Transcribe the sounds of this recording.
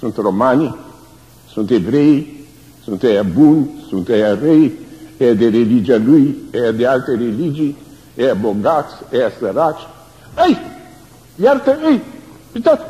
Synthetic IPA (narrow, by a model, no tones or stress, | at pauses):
sũnt̪romani | sũnt̪ebɾɛj | sũnt̪ɛabunsũnt̪ɛarɛjɛad̪eɾelid͡ʒialujɛad̪ealt̪eɾelid͡ʒi | ɛaboɡat̪sɛaseɾat͡ʃ | ej | lalt̪eej | pit̪at̪